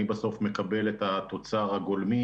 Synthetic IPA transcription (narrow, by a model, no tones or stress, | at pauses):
ibaso̞fme̞kabe̞let̪at̪o̞t͡saʁhaɡolmi